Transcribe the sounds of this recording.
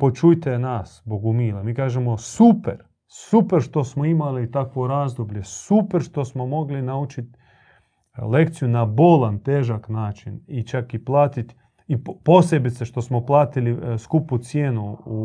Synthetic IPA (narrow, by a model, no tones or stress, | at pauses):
po̞t͡ʃujt̪enasboɡumiːlamiːkaːʒemosupḛɾ | supeɾʃt̪o̞smo̞imalit̪akʋoɾaːzd̪obʎe̞supeɾʃt̪o̞smo̞mo̞ɡlinaut͡ʃit̪ | le̞k̚t̪sijunabolant̪eːʒaknaːt͡ʃinit͡ʃakiplˠaːt̪it̪ | ipo̞se̞bit̪seʃt̪o̞smo̞plˠaːt̪iliskuput̪sjeːnuu